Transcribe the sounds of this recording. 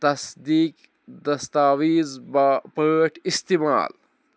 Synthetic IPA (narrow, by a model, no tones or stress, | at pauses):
t̪ɐsd̪iːk | d̪ɐst̪aːwiːzbpəʈʰist̪ima̰ːl